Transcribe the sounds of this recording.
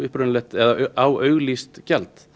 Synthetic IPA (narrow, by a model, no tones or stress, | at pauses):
ʏhpɾʏnlɛht̪ɛðaawœɥɣlist̪cɛlt̪